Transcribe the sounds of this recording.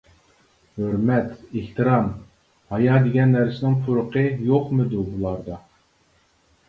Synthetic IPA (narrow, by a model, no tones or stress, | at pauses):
høɾmɛt̪eht̪ɨɾɑm | hɑjɑd̪eɡʲɛnːæɾsɪnɪŋpʰuɾʊqəjoqmɨd̪ubulˠɑɾd̪ɑ